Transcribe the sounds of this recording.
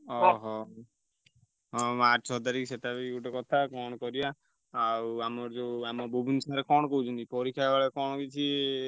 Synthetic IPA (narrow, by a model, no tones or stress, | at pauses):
ɔɦɔ | ɦɔmaɔt̪aɾikseʈʰabekuʈɔkɔt̪ʰakɔɽ̃ɔkɔɾijaː | wamɔɾd͡ʒeamɔbubʱinsaɾekɔɽɔkɔɦut͡ʃʰɔnt̪ipɔɾikʰaɡaɭekɔɽ̃ɔkit͡ʃʰi